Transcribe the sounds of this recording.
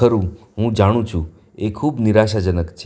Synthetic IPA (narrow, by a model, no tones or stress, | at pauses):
əɾũ | ɦũd͡ʒaɽ̃ũt͡ʃʰũ | ekʰubniɾaʃad͡ʒənəkt͡ʃʰ